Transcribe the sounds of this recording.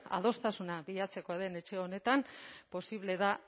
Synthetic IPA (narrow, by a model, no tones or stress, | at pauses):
a̰ð̞o̞st̪asunaβiʎat͡se̞ko̞aðe̞ne̞t͡ʃe̞o̞ne̞t̪ampo̞siβle̞ða